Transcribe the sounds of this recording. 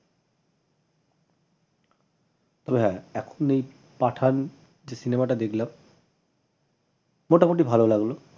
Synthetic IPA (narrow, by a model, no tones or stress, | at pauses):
t̪ɔbeɦɛ̃ɛkʰonej | paʈʰan | d͡ʑesinemaʈad̪ekʰlam | moʈamoʈ̬ibʱalolaɡlo